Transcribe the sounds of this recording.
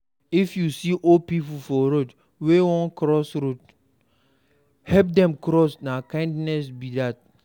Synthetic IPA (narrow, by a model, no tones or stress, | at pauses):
ifjusiʔɔpipufɔɾot | wewɔ̃nkɾɔsɾut | hɛp̚dɛ̃mkɾɔsnakãɪ̃ndnɛsbidat̚